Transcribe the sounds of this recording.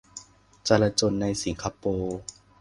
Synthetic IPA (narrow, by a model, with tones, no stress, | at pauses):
t͡ɕa˧la˧t͡ɕo˧nːa˧jsi˩˦ŋkʰaː˧poː˧